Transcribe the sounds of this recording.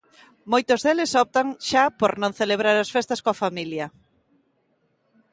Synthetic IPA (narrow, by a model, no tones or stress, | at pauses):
mojt̪ʊzðelɪsɔp̚t̪aŋʃapoɾnõŋθeleβɾaɾasfest̪ɐskoafamiljɐ